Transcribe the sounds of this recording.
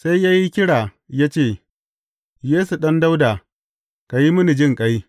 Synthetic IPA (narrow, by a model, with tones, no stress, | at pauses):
sa˦jjaː˦ji˦kʲɪ˦ɽaː˨ | jaː˦t͡ʃeː˦˨ | jeː˦su˨ɗɐ˦nda˦wdaː˨ | ka˨ji˦mʊ˦ni˨d͡ʒɪ˦˨ŋkʼa˦j